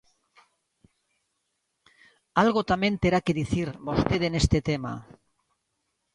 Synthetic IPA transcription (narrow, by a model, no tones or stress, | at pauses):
alɣot̪amẽ̞nt̪eɾakeðiθiɾbost̪eðene̞st̪et̪ema̰